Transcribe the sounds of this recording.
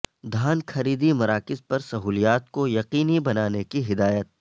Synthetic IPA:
d̪ʱaːnkɐɾiːd̪imɐɾaːkɪzpɐɾsɐɦuːlijaːt̪kojɐqiːnibɐnaːnekiɦɪd̪aːjət̪̚

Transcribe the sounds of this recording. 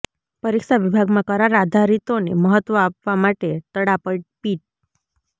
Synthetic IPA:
pəɾiksaʋibʱaɡmakəɾaɾad̪ʱaɾit̪oneməɦət̪ːʋəapʋamaʈet̪əɽapəʈ̚piːʈ̚

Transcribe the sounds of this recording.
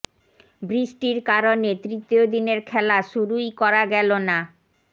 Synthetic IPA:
bɾiʃʈiɾkaɾonet̪ɾit̪ːiod̪ineɾkʰɛlaʃuɾujkɔɾaɡɛlona

